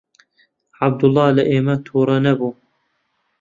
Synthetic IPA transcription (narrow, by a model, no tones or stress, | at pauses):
ʕab̚d̪ʊlˤːɑːlɐʔeːmɐt̪ʰuːɾˤɑnɐbuː